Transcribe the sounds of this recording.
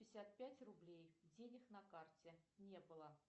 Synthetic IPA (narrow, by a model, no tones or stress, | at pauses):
pʲɪsʲæt̪̚pʲætʲrʊblʲejdʲenʲɪxnɐkartʲenʲe̞bɨlˠə